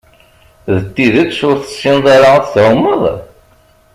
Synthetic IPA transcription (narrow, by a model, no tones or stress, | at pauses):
ðət̪ːiðəksʊɾθə̥sːɪnðˤɑɾaθθʊmːəðˤ